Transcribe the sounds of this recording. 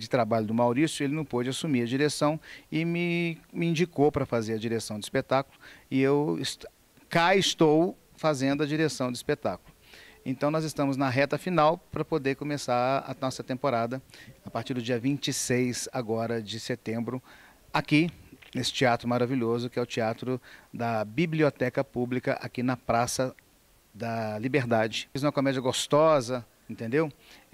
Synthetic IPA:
d͡ʒɪt̪ɾabaʎʊd̪ʊmawɾisjʊelɪnɐ̃w̃pod͡ʒɪasumiɾɐd͡ʒiɾesɐ̃w̃ɪmɪmɪĩd͡ʒikowpɾɐfazeɾɐd͡ʒiɾesɐ̃w̃d̪ɪispet̪akulʊɪewɪs | kaɪst̪ow | fazẽnd̪ʊɐd͡ʒiɾesɐ̃w̃d̪ʊispet̪akʊlʊ | ẽnt̪ɐ̃w̃nɔzɪst̪ɐ̃mʊznɐɦɛt̪ɐfinawpɾɐpod̪eɾkõmesaɾɐ̰nɔsɐt̪ẽmpoɾad̪ɐapaɾt͡ʃiɾd̪ʊd͡ʒiɐvĩnt͡ʃisejzaɡɔɾɐd͡ʒɪset̪ẽmbɾʊ | akiesɪ̥t͡ʃiat̪ɾʊmaɾaviʎozʊkɪɛʊt͡ʃiat̪ɾʊd̪ɐbibliot̪ɛkɐpublikɐʔa̰kinɐpɾasɐ | d̪ɐlibeɾd̪ad͡ʒɪzũmɐkomɛd͡ʒiɐɡost̪ɔzɐ | ẽnt̪ẽnd̪ew

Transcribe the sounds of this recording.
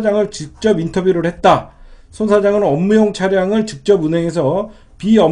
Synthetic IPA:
d͡ʑaŋɯɭt͡ɕik̚t͡ɕ͈ʌbintʰʌbjuɾɯɭhe̞t̚t͈a | sʰonsʰad͡ʑaŋɯnʌmːujoŋt͡ɕʰaɾjaŋɯɭt͡ɕik̚t͡ɕ͈ʌbunɦe̞ŋe̞s̬ʰʌ | piʌ

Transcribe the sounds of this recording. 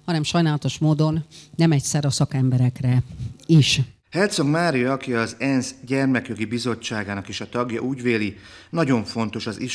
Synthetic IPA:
hɒnɛmʃɒjnaːlɒt̪o̞ʃmoːd̪o̞nːɛmɛcsɛɾɒsɒkɛmbɛɾɛkrɛiʃ | hɛlt̪so̞ɡmaːɾijɒɒkiɒzɛnzɟɛrmɛkjo̞ɡibizo̞t͡ʃːaːɡaːnɒkeːʃɒt̪ɒɡjɒʔuːɟveːlinɒɟo̞ɱfo̞nt̪o̞ʃɒzi

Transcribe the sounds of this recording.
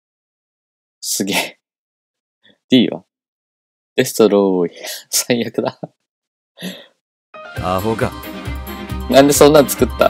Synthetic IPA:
sɨɡeː | d̪̥ʲiːβa̰ | d̪̥e̞st̪oɾoiasãj̃jakɯ̟d̪a | aːɦoka | nãnd̪e̞sõ̞nːat͡sɨ̥kɯ̟t̪ːa̰

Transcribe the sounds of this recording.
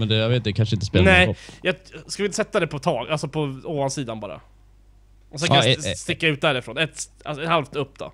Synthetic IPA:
mɛnd̪ɛjaveːt̪d̪ɛkʰanʂəɪnt̪əspeːlnɛɔjɑskavɪt̪əsɛt̪ːad̪ɛpʰɔt̪ʰɑːɡalsɔpʰɔoːvansiːd̪anbɑːɾa̰ | ɔs̬ɔkanst̪ɪkːaʉ̟ːt̪̚d̪æːɾɪfɾoːnɛt̪a̰lsɔɛt̪halft̪ɵpːd̪ɔ̰

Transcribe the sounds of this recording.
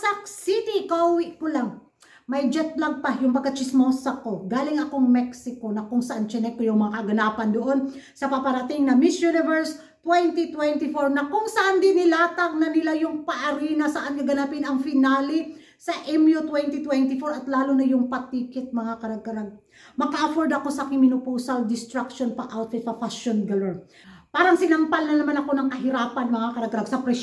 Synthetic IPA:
sɐsit̪ikɐʔuwɪʔkolaŋ | mɐjd͡ʒɛt̪̚lɐɡ̚pajʊŋpɐɡkːɐt͡ʃɪsmosɐko̞ɡaːlɪŋɐkoŋmɛksɪko̞nɐkʊŋsɐʔant͡ʃɛnɛk̚pɛjʊŋmɐŋakɐɡɐnaːpɐnd̪oʔonsɐpɐpɐɾɐt̪ɪŋnɐmɪsjunɪvɛɹs | t̪wɛnt̪it̪wɛnt̪ɪfoɹnɐkʊŋsɐʔand̪ɪnɪlaːt̪aŋ̚nɐnɪlajʊŋpɐʔɐɾinɐsɐʔankɐɡɐnapɪnɐŋfɪnaːlɪ | sɐʔɛmjot̪wɛnt̪it̪wɛnt̪ɪfoɹɐt̪laːlonɐjʊŋpɐt̪iːkɪt̪̚mɐŋakɐɾɐɡ̚kɐɾaɡ̚ | mɐkaʔɐfoɹd̪ɐko̞sɐkɪmɪnʊpoːsɐld̪ɪst̪ɾak̚ʃonpɐʔawt̪̚fɪt̪̚sɐfasonɡalɛɹ | paːɾɐŋsɪnɐmpalnɐnɐmanɐko̞nɐŋkɐɦɪɾaːpɐnmɐŋakɐɾɐɡkːɐɾaɡsɐpɾɛ

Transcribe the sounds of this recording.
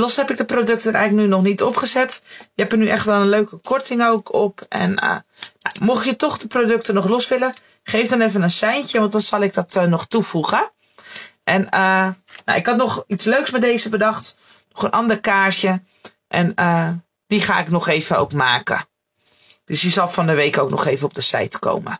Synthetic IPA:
lɔsɦɛpɪk̚dəprodøk̚təəɾɛjɣlək̚nynɔχnitɔpχəzɛtjəɛpənyʔɛχtʋɛlˠənløɥkəkʰɔɹtɪŋowkʰɔpʔɛ̰nə̰ːa̰wmɔχjətɔχdəprodøk̚tənɔχlɔsʋɪlə | χejfdɔnevənənsɛjntjəʋɑntdɑnsɑlˠɪɡ̚dɔtnɔχtufuχə | ʔɛnəno̰ʔɪkɑtnɔχitsløɥksmɛdejzəbədɑχt | nɔχənʔɑndəɹkaːɹtjə | ʔɛnə | d̥iχa̰ːɪknɔχejvəno̰wkmaːkə̰ | d̥ɵsjəzɑlˠfɑndəʋejkowknɔ̰χejvənɔb̚dəsɛ̰jtko̰wmə̰

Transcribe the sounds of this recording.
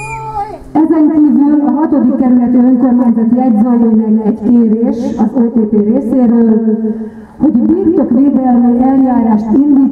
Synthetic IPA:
ɛzɛŋbɛɲyzylɒɦɒt̪o̞d̪ikːɛɾylɛt̪eøŋkørmont̪ɒt̪iɛɟɾɒlonlɛnːɛɛɟkeːɾeːʃɒzoːt̪eːp̪eːreːseːɾøːl | ho̞ɟbirt̪okreːd̪ɛlːøːɛljaːɾaːʃt̪ind̪iː

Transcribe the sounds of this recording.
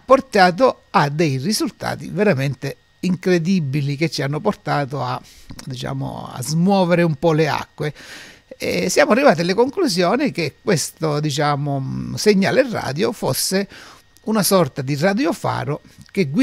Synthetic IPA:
pːort̪aːt̪o | ad̪ːejrizult̪a̰ːt̪ḭveɾament̪e | iŋkɾed̪ibilik̟et͡ʃːianːʊport̪aːt̪oa | d̪it͡ʃa̰ːmʊ̰a̰zmwɔːveɾɪumpɔlea̰kːwe | ɛ̰sjaːmʊarːivaːt̪ialɪkoŋkluzjɔːnik̟ekwest̪od̪it͡ʃaːmʊseɲːa̰ːlerːa̰ːd̪jofosːe | unasɔrt̪ad̪irad̪jofa̰ːɾok̟eɡwi

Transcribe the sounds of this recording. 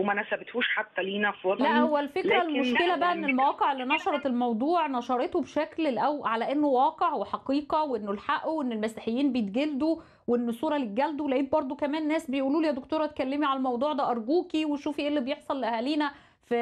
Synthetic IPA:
mænæsæbet̪huːʃħat̪ːæliːnæfiɑlæʔhowːælfekɾælmoʃkelæbæʔæʔenːelmæwɑːqeʕelːinɑʃɑɾˤɑt̪elmɑwd̪ˤuːʕnɑʃɑɾˤet̪obʃækllʔæwʕalæʔenːowæːqeʕweħɑqiːqɑweʔenːolħaʔowʔenːelmæsiħejːiːnbejet̪ɡeld̪o | weʔenːosˤːuːɾˤɑlit̪̚ɡæld̪owlæʔiːt̪̚bɑɾˤd̪ˤokæmæːnːæːsbejʔuːluːlijæd̪okt̪oːɾˤɑt̪̚kælːemiʕalælmɑwd̪ˤuːʕd̪æːʔɑɾˤɡuːkiweʃuːfiʔelːibejeħsˤɑlːʔæhæːliːnæ | fi

